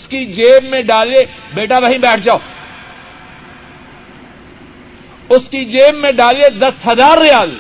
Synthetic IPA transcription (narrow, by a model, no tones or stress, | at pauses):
skid͡ʒeːmːẽɖaːle | beːʈaʋəɦĩːbɛːʈʰd͡ʒaːoː | ʊskid͡ʒeːmːẽɖaːled̪ɐsɦəzaːɾːɪjaːl